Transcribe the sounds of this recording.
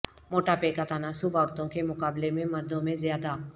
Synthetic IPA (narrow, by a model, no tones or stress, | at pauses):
moːʈapeːkat̪aːnasʊbʱaːɾt̪õkemʊkaːblemẽmɐɾd̪õmẽzɪjaːd̪a